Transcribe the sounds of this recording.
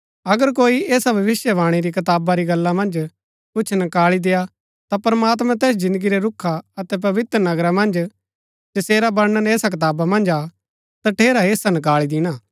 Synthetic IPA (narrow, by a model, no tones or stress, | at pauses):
ɐɡəɾk̬oːiʔeːsabʱɐʋɪsjəʋaːɽ̃iɾikɐt̪aːbaɾiɡɐlːamɐ̃nd͡ʒ | kʊt͡ʃʰnɐkaːɭid̪eja | t̪apɾɐmaːt̪mãt̪ɛːs̬d͡ʒɪ̃nd̪əɡiɾeɾʊkʰaɐt̪ɛp̬ɐʋɪt̪ɾənɐɡɾamɐ̃nd͡ʒ | d͡ʒɐseːɾabɐɾnənɛːsak̬ɪt̪aːbamɐ̃nd͡ʒaː | t̪aʈʰeːɾaeːsanɐk̬aːɭid̪ɪñaː